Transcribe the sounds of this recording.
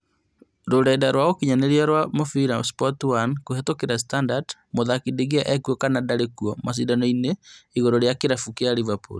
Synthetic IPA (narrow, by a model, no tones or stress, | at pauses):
ɾodaedaɾwaɣokiɲaneɾiaɾwamofiɾaspɔtwankohɛtokeɾastandadmoðakideɣeaʔɛkuɔkanadaɾekuɔmas̬idanɔineiɣɔɾɔɾjakeɾafukeaɾivapo̰l